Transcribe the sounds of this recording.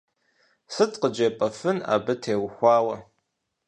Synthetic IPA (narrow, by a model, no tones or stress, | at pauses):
sɨtʰʼqəd͡ʒɐpʼɐfɨna̰ːbɨtʰeːwxʷɑːwɐ